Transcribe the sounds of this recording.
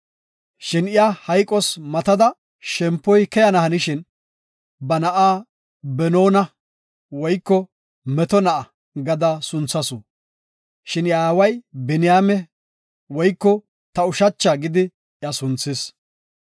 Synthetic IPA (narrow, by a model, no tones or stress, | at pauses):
ʃɪnɪjahɐjkʼɔsmɐt̪ɐd̪ɐ | ʃɛmpːɔjkɛjɐnɐhɐnɪʃɪn | bɐnɐʔaː | bɛnoːnɐ | wɔjkːɔ | mɛt̪ɔnɐʔɐ | ɡɐd̪ɐsʊnt͡sːɐsʊ | ʃɪnɪjaːwɐjbɛnɪjaːmɛ | wɔjkːɔ | t̪ɐʊʃɐt͡ʃːaɡɪd̪ɪ | jɐsʊnt͡sːɪs